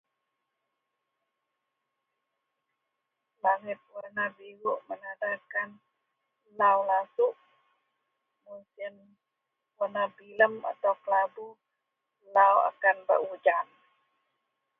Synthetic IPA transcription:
laŋɪt̪̚wənabiɾuʔmənadakan | laulasuʔ | musɪn | wənabiləma̰t̪awklabu | lawa̰kanbə̰rud͡ʒan

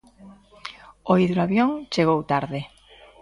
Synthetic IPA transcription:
oiðɾuaβjoŋt͡ʃeɣ̞owt̪aɾðɪ

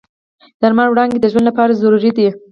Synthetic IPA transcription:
d̪̥aɾmaɳwɽɑnɡ̪ed̪əʒwand̪lapɑɾazaɾuɾid̪i

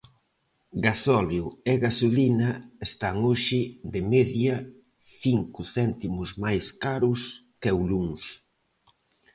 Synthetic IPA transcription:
ɡasɔljueɣasulinɐest̪aŋoʃɪðɪmeðjɐ | θiŋkʊθɛnt̪imʊzmajskaɾʊskewluŋs

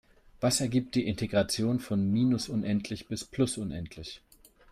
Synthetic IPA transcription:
v̥asɛɐɡiːp̚t̚d̥iːʔɪntʰeɡʁat͡sjoːnfɔnmiːnʊsʔʊnʔɛntʰlɪçb̥ɪspʰl̥ʊsʔʊnʔɛntʰlɪç

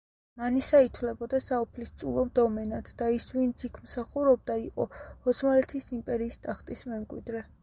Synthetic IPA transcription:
manisait̪ʰwlɛbɔd̪asaɔpʰlist̪sʼṵlˠɔmd̪ɔmɛnat̪ʰd̪̥aisvint̪sʰikʰmsaχuɾɔb̚d̪aiqʼɔ̰hɔt̪smalɛt̪ʰisimpʼɛɾiːst̪ʼaχt̪ʼismɛmkʼwḭd̪ɾɛ

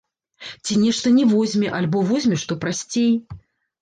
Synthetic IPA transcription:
t͡sʲinʲɛʂt̪ɐnʲɛvɔzʲmʲɛʔalʲbɔvɔzʲmʲɛʂt̪ɔpɾasʲt͡sʲej

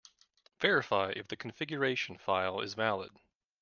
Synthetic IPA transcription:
v̥ɛɹɨfaɪʔɨfðɨkʰɨ̃ɱfɪɡjə˞eɪʃn̩faɪlˠɪ̰zvælˠə̰d̥

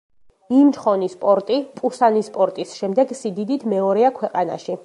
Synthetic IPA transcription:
imt͡ʃχɔnispʼɔɾt̪ʼipʼusanispʼɔɾt̪ʼisʃɛmd̪ɛɡsid̪id̪it̪ʰmɛɔɾɛakʰwɛqʼana̰ʃi

